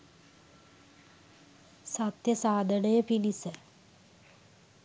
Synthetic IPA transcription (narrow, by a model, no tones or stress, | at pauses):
sɐt̪jɐsaːd̪ɐɽɐjɐpinisɐ